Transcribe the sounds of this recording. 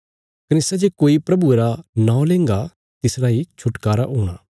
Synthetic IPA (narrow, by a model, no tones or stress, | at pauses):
kɐnɪsad͡ʒekoːipɾɐbueɾanãːõlẽːŋɡa | t̪ɪsɾaːit͡ʃʰʊʈkaːɾaɦuːɽ̃aː